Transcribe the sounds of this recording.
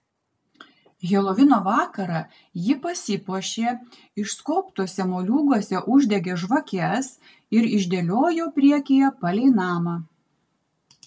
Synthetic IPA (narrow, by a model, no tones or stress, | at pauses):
ɣʲeːlˠoʋʲɪnoːʋɑːkɐɾɑ | jɪpɐsʲɪpuɔʃʲeː | ɪʃskoːpt̪oɔsʲɛmoːlʲuːɡɔsʲɛʔʊʒʲd̪ʲɛɡʲeːʒʋɐkʲɛs | ɪɾɪʒʲd̪ʲelʲoːjoːpʲɾʲiɛkʲejɛpɐlʲɛɪnɑːmɑ